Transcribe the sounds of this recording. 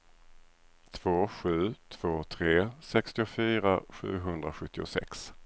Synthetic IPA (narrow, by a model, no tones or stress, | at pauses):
t̪ʰv̥oːɧʉ̟ːt̪ʰv̥oːt̪ʰɾeːsɛkst̪ɪʊfyːɾaɧʉ̟ːɦɵnd̪ɾaɧɵt̪ʰːɪʊ̰sɛ̰ks